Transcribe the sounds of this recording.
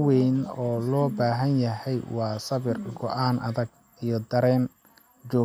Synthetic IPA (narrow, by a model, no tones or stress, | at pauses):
wɛnɔːlɔːbaːɦɐnjɐɦɛjwɑːsɐβɪrɡɔʔaːnʔɐ̰ðɐɡ̚ | ijɞd̪ɐɾɛːn | t͡ʃɔː